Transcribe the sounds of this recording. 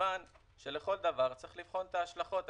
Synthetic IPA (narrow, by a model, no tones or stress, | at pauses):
an | ʃe̞le̞χo̞ld̪avaʁt͡saʁiχlifχo̞nt̪aːʃlaχo̞t̪